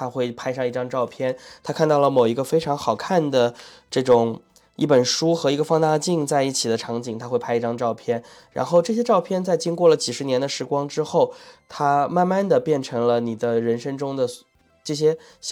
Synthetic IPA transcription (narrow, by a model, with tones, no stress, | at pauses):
t̪ʰa˥xwe˥˩ɪpʰa˥ɪʂɑ˥˧ŋi˥˩ʈ͡ʂɑ˥ŋʈ͡ʂɑ˥˧ʊpʰjɛ˥˩nt̪ʰa˥kʰa˥˧nt̪ɑ˥˩ʊlə˩mo˨˩ʊi˧˥ɡə˧fe˥ɪʈ͡ʂʰɑ˧˥ŋxɑ˨˩ʊkʰa˥˩nd̪ə˩ʈ͡ʂɤ˥˩ʈ͡ʂʊ˨˩ŋ | ḭ˥˩pə˨˩nʂu˥xɤ˧˥i˧˥ɡə˧fɑ˥ŋt̪a˥˧t͡ɕi˥˧ŋt͡sa˥˧ɪi˥˩t͡ɕʰi˨˩d̪ə˦ʈ͡ʂʰɑ˧˥ŋt͡ɕi˨˩ŋt̪ʰa˥xwe˥˩pʰa˥ɪi˥˩ʈ͡ʂɑ˥ŋʈ͡ʂɑ˥˧ʊpʰjɛ˥˩n | ɻa̰˧˥nxo˥˧ʊʈ͡ʂɤ˥˩ɕjɛ˥ʈ͡ʂɑ˥˧ʊpʰjɛ˥˧nt͡sa˥˩ɪt͡ɕi˥ŋkwɔ˥˩lə˩t͡ɕi˨˩ʂɻ̩˧˥njɛ˧˥nd̪ə˧ʂɻ̩˧˥kwɑ˥ŋʈ͡ʂɻ̩˥xo˥˩ʊt̪ʰa˥ma˥˧nma˥˩nd̪ə˩pjɛ˥˩nʈ͡ʂʰɤ˧˥ŋlə˧ni˨˩d̪ə˦ɻə˧˥nʂɤ˥ŋʈ͡ʂʊ˥ŋd̪ə˨ | ʈ͡ʂɤ˥˩ɕ̬jɛ˥ | ɕ